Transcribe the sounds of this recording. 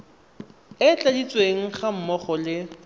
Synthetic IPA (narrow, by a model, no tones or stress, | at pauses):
ɪt͡ɬʼadit͡sʼweŋ̩χam̩mɔχɔlɪ